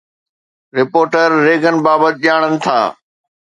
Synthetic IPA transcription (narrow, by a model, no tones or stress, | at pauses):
ɾɪpoːɾʈəɾːeːɡənɪ̆baːbət̪ɪʄaːɽ̃ənɪ̆t̪ʰa̰ː